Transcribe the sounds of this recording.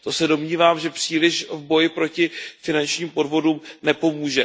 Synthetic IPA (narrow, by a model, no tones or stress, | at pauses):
t̪o̞sɛdo̞mɲiːvaːmʒɛpr̝̥iːlɪʃvbo̞jɪpɾo̞cɪfɪnant͡ʃɲiːmpo̞dvo̞dumnɛpo̞muːʒɛ